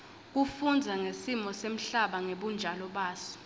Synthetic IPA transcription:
k̬uffund͡zʱaŋesimɔsem̩ɬaɓaŋeɓund͡ʒʱalɔɓaːsɔ̥

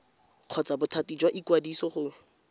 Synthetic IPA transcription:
q͡χʰɔt͡sabʊtʰatid͡ʒwaʔikwadisɔχʊ

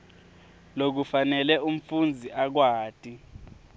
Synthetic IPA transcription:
lok̬ufanɛlɛum̩fund͡zʱiʔak̬waːtʼi

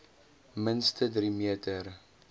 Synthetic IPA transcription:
mənstədɾimiətʰər

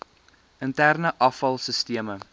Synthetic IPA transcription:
əntærnəʔɐfɐlˠsəstiəmə

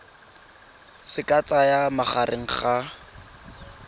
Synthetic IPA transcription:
sɪkat͡sajamaχarʔɪŋ̩χa

